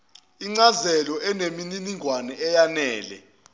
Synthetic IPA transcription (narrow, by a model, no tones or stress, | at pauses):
iŋ͡ǀazɛlɔʔɛnemininiŋʱwanɛɛjanɛːlɛ̰